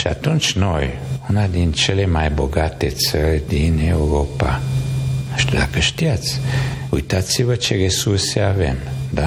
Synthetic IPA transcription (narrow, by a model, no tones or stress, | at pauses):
ʃa̰t̪unt͡ʃnojunad̪int͡ʃelemajboɡat̪et͡səɾd̪inewɾopa | əʃt̪əla̰kəʃt̪iat̪t͡sujt̪at͡sivət͡ʃeɾesuɾseavḛnd̪a